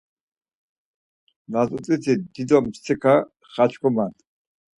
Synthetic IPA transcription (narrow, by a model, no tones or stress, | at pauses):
nat͡sʼut͡sʼit͡sʰid̪id̪ɔmt͡ʃt͡sʰɛkʰa | χat͡ʃʰkʰɔmant̪ʰʼ